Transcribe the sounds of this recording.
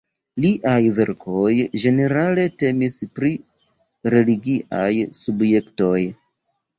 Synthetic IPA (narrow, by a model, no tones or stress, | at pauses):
liʔajve̞ɾkʰo̞jd͡ʒe̞ne̞ɾale̞te̞mispɾi | ɾe̞liɡiʔa̰jsubje̞kto̞j